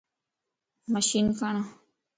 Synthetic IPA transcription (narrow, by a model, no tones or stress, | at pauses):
maʃinfanã